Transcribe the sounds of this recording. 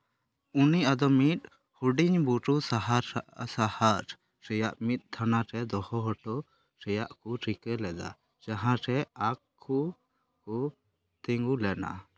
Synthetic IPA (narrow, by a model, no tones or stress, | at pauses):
uniʔad̪ɔmit̪̚ | huɖiɲbuʈusaɦaɾsahaɾ | ɾɛjaʔmit̪̚ˀt̪ʰːanaɾɛd̪ɔhɔɦɔʈɔ | ɾɛjaʔkuɾʰikɛlɛd̪a̰ | d͡ʒaɦãɾɛakʰ | u | kɔ | t̪ɛŋɡulɛna̰